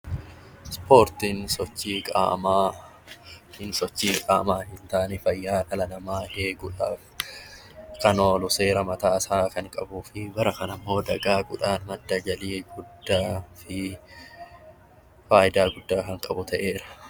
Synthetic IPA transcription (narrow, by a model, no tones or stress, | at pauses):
spʰo̞ːɾt̪iːnsɔt͡ʃːiːkʼa̰ːmaː | hɪnsɔt͡ʃːiːkʼa̰ːmaːhɪnt̪aːnɪfɐjːaːᶑɐlɐlɐmaːheːɡʊᶑaːf | kɐnoːlʊse̞ːɾɐmɐt̪aːsaːkɐŋkʼɐbuːfɪbɐɾɐkɐnɐmːo̞ːd̪ɐɡaːɡʊᶑaːnmɐd̪ːɐd͡ʒɐliːɡʊd̪ːaːfɪ | faːjɪd̪aːɡʊd̪ːaːkɐŋkʼɐbʊt̪ɐʔe̞ːɾɐ̥